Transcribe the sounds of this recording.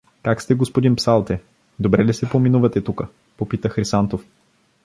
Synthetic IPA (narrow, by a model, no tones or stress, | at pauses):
kakst̪ɛɡospod̪inpsalˠt̪ɛ | d̪obɾɛlisɛpominuvɐt̪ɛt̪ukə | popit̪əxɾisant̪of